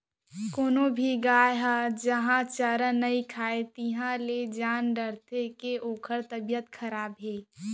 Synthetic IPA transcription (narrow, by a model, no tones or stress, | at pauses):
koːnobʱiɡaːjɦad͡ʒɐɦãt͡ʃəɾənɐikʰaːet̪iɦãled͡ʒaːnɖəɾt̪ʰekeʔoːkʰəɾt̪əbjət̪kʰɐɾaːbɦeː